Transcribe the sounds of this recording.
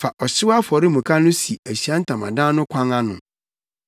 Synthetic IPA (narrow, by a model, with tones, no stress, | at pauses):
fa˨ʔɔ˨sɪ˦a˦fɔ˨ɾɪ˦mũ˨kʰa˦nʊ̃˦si˨æ˨ɕi˨a˦n̩˦tʰã˨mã˨dã˦nʊ̃˦kʷʰã˦ŋa˦nʊ̰̃˨